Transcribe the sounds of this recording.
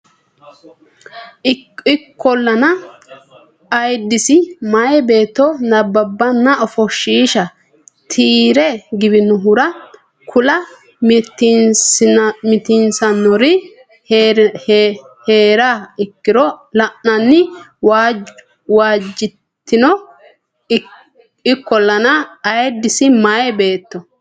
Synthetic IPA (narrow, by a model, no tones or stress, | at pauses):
ɪɪkːɔlːɐnɐ | ɐjd̪ːɪsɪmɐjbe̞ːt̪ːɔnɐbːɐbːɐnːɐɔfɔʃːiːʃɐ | t̪ʰiːɾɛɡɪbɪnʊɦʊɾɐ | kʰʊlɐ | t̪ | mɪt̪ɪnsɐnːɔɾɪ | heːɾaɪkːɪɾɔlɐʔnɐnːɪw | waːd͡ʒːɪ | t̪ːɪnɔ | ɪkːɔlɐnɐːjɛd̪ːɪsɪmajɛbe̞ːt̪ːɔ